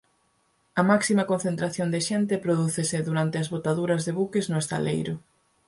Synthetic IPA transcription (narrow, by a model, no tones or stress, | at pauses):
ɐmaksimɐkõn̟θent̪ɾaθjond̪eʃɛnt̪ɪpɾoðuθesɪðuɾant̪ɪɐzβot̪aðuɾɐzðeβukɪznʊest̪a̰lejɾʊ